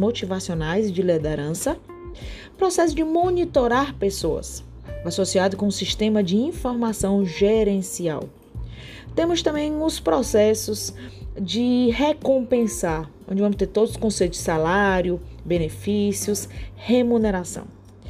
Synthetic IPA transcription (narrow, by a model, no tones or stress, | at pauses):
mot͡ʃivasionajzd͡ʒɪled̪eɾɐ̃sɐ | pɾɔsɛsʊd͡ʒɪmonit̪oɾaɾpesoɐ̰s | asosiad̪ʊkõũsiʃt̪ẽmɐd͡ʒɪĩfoɾmasɐ̃w̃ʒeɾẽsia̰w | t̪ẽmʊst̪ɐ̃mbẽj̃ʊspɾɔsɛsʊsd͡ʒɪɦekõpẽsaɾ | õd͡ʒɪvɐ̃mʊst̪eɾt̪od̪ʊzʊ̥skõsejt̪ʊzd͡ʒɪsalaɾjʊbẽnefisiʊshemuneɾasɐ̰̃w̃